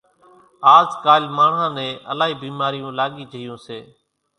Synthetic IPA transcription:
aːzkaːlmaːɳãːnẽːʔəlaːɦiːbiːmaːɾɪjũːlaːɠiːd͡ʒʱəɪjõːseː

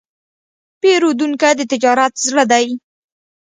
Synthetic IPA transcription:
peɾod̪uŋkajd̪ət̪ɪd͡ʒɑɾat̪zɽəd̪aj

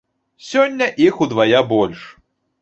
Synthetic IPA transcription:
sʲɔnʲːɐʔixud̪vajabɔlʲʂ

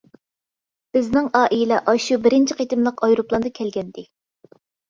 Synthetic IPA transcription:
b̥ɪznɪŋɑːʔijlɛʔɑʃubɪɾɪnt͡ʃʰiqʰet̪ɪmlˠəqɑjɾuplˠɑnd̪ɑkʲʰɛlɡʲɛnd̪̥ɪ

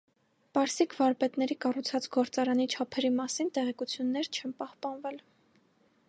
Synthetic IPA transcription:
pɑɾsikʰvɑɾpɛt̪nɛɾikɑrut͡sʰɑt͡sɡɔɾt͡sɑɾɑnit͡ʃʰɑpʰɛɾimɑsint̪ɛʁɛkut͡sʰjunːɛɾt͡ʃʰɛnpɑhpɑnvɛl

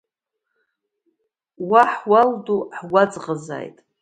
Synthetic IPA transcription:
waħwalduħwad͡zʼʁəza̰jtʼ

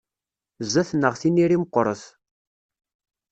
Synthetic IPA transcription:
zːæθnːəʁθiniɾiməqːɔɾˤəθ

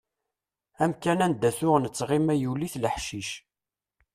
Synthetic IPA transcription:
æmkænænd̪æθʊʁnət͡sːʁimæjuliθləħʃiʃ

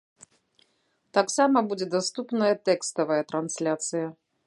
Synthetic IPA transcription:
t̪aksamɐbud͡zʲɛd̪ast̪upnɐjɐt̪ɛkst̪ɐvɐjɐt̪ɾansʲlʲat̪sɨjɐ

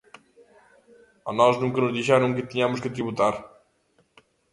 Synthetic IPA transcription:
ɔnɔʒnũŋkɐnuʒðiʃɛɾɐ̃w̃kɨt̪iɲamʊʃkɨt̪ɾiβut̪aɾ

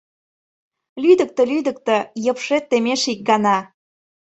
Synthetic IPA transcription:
lyd̪ə̆k̚t̪ə̆lyd̪ə̆k̚t̪ə̆jə̆pʃet̪ːemeʃik̚ɡɑnɑ

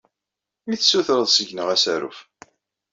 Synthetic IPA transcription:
miθsuθɾəðˤsəʝnəʁæsæɾṵf

